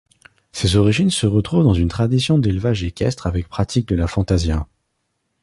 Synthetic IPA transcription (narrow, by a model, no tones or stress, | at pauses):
sezɔʁiʒinsəʁət̪χuvd̪ɑ̃zynt̪χad̪isjɔ̃d̪elvaʒekʲɛst̪χavɛk̚pχat̪ʰik̚d̪əlafɑ̃t̪azja